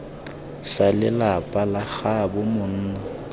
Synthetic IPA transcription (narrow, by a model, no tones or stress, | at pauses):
salɪlapʼalaɣabʊmʊn̩ːna